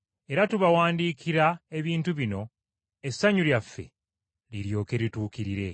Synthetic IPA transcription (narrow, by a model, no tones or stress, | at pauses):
e̞ɾatuβawaːndiːkiɾae̞βiːntuβino̞ | e̞sːaɲuljafːḛ | liɾjo̞ːke̞ɾituːkiɾiɾe̞